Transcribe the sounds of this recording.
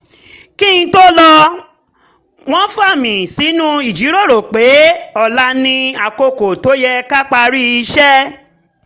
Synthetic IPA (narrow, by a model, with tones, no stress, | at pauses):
ki˦˨ĩ˧˦to˦lɔ˧ | w̃ɔ̃˦fa˦˨mĩ˨si˨˦nũ˦i˨d͡ʒi˨˦ɾo˦˨ɾo˨k͡pe˨˦ɔ˨la˧˦nĩ˧a˨ko˧ko˨to˨˦jɛ˧ka˦k͡pa˧ɾi˦i˧ʃɛ˦